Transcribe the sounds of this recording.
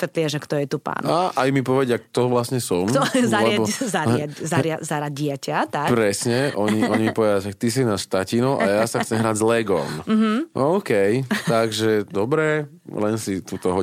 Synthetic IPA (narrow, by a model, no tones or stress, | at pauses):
ssʋɛt̪lɪaʒɛkt̪ɔjɛt̪upa̰ːnaʔajmipɔʋɛɟakt̪ɔʋlasɲɛsɔmkt̪ɔzalɛabɔzaɾazaɾɪazaɾaɟɟɪacat̪apɾɛsɲɛʔɔɲiʔɔɲimipɔʋɛd̪aʃak̚t̪is̬inaʃt̪acinɔʔa̰jasaxxt͡sɛmɦɾaːɟzlɛɡɔ̰mm̩ɦ̩ʔɔʊkɛjt̪aɡʒɛd̪ɔbɾɛ | lɛnsit̪uːt̪ɔɦɔ